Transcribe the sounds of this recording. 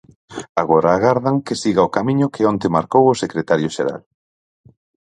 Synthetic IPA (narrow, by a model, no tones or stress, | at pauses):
aɣoɾaːɣaɾðaŋkesiɣaokamĩɲʊkʰɪõnt̪emaɾkowʊsekɾet̪aɾjʊʃeɾa̰l